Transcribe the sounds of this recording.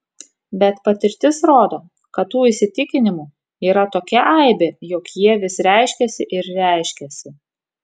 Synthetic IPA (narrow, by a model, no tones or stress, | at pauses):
bʲɛt̪pɐt̪ʲɪɾʲt̪ʲɪsɾoːd̪oː | kɐt̪ːuːɪsʲɪt̪ʲɪkʲɪnʲɪmuː | iːɾɐt̪oːkʲɛʔɐɪbʲejɔkjiɛʋʲɪsɾʲæɪʃʲkʲɛsʲɪʔɪɾɾʲæˑɪʃʲkʲɛsʲɪ